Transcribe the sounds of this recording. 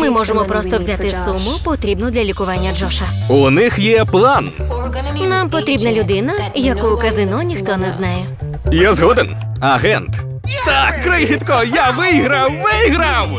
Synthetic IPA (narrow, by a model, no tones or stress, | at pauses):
mɪmɔʐemɔpɾɔst̪ɔwzʲat̪ɪsumʊpɔt̪ɾʲibnʊd̪lʲɐlʲikʊʋɑnʲːɐd͡ʒɔʃɐ | unɪxjɛplˠan | nampɔt̪ɾʲibnɐlʲʊd̪ɪnɐjɐkujʊkɐzɪnɔnʲixt̪ɔnɛznɑjɛ | jazɦɔd̪en | ɐɦɛnt̪ | t̪akːɾɪxʲit̪kɔjaʋɪɦɾɐwʋɪɦɾɐw